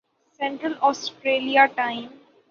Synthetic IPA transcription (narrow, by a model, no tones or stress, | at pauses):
sɛ̃ɳʈɾəlɔːsʈɾeːliaʈãɪ̃m